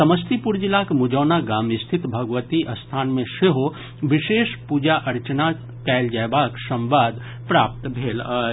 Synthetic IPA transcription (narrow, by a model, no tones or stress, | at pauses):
sɐməst̪ipuɾd͡ʒɪlakmʊd͡ʒoːnaɡaːmɪst̪ʰɪt̪bʱɐɡʋət̪iʔɐst̪ʰaːnmẽʃeɦo | ʋɪʃeːʃpuːd͡ʒaʔɐɾt͡ʃəna | kɛːld͡ʒɛːbaːksɐ̃mʋaːd̪ | pɾaːpt̪bʱeːlaː